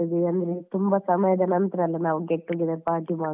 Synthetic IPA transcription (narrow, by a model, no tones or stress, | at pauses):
id̪iɐnd̪ɐɾet̪umbɐsɐmɐjɐd̪ɐnɐnt̪ɾɐɐlːɐnaːʋuɡeʈːuɡid̪epaːɾʈimaː